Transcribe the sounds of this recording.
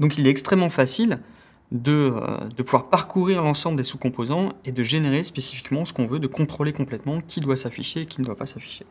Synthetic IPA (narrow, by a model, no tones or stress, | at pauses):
d̪ɔ̃kilɛtɛkst̪χɛmːɑ̃fasil | d̪əø̰d̪əpuvwaʁpaʁkʰuʁiʁlɑ̃sɑ̃bləd̪esukɔ̃pozɑ̃ed̪əʒeneʁespesi̥fi̥kmɑ̃sə̥kɔ̃vød̪əkɔ̃t̪χolekɔ̃plɛt̪mɑ̃kʲʰid̪wasafiʃeːkʲind̪wapasafi̥ʃe